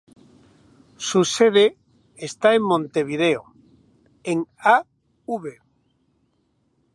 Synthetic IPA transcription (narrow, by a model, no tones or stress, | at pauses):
suseðeː | st̪aemmːõnt̪eβ̞iðeo | eŋa | uβe